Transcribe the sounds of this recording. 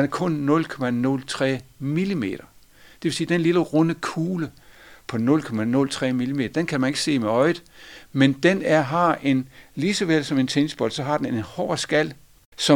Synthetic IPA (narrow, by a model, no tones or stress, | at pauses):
d̥enæɐkʰɔ̽nːɔ̽lkʰɒ̽mænɔ̽lt͡sʰʁɛ̰ːmilime̝̰ːɾ̥ɐ | d̥eʋe̝siːd̥enliləʁɔnəkʰuːləpʰɒ̽nɔ̽lkʰɒ̽mænɔ̽lt͡sʰʁɛ̰ːmilime̝ːd̥ɐd̥enkʰæmæne̝ɡ̥se̝̰ːmeɒ̽ɪd̩ˠmend̥enæɐɦɑ̈e̝nlisɒʋel̰sɒ̽me̝nt͡sʰensb̥ɒ̽ld̥sɒ̽ɦɑ̈d̥enenhɒ̰ːsɡ̥æl̰ | sɒ̽